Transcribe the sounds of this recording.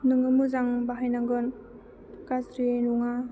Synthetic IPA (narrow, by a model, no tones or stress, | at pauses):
nɯŋɯmuzaŋbaɦajnaŋɡɯn | kasɾinuŋa